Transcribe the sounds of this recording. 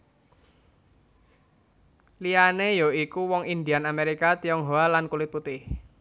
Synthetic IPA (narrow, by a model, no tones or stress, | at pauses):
lianejoikuwɔŋind̪ianameɾikat̪iɔŋɦoalankulit̪̚put̪ɪh